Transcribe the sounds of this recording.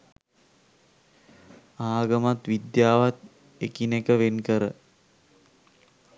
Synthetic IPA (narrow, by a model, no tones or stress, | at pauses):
aːɡəmat̪ʋid̪jaːʋat̪ | ekinekəʋenkəɾə